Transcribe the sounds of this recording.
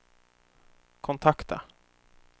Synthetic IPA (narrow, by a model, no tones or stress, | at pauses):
kʰɔnt̪ʰakt̪a̰